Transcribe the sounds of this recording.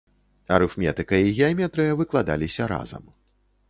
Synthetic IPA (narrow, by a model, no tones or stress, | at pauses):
ɐɾɨfmʲɛt̪ɨkɐiɣʲiamʲɛt̪ɾɨjɐvɨklˠad̪a̰lʲisʲɐɾa̰zɐ̰m